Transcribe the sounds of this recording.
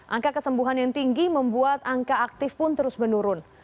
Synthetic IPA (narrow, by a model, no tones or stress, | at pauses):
ʔaŋkakəsəmbuɦanjaŋt̪iŋɡiməmbuat̪aŋkaak̚t̪ɪfpʊnt̪əɾʊsmənuɾʊn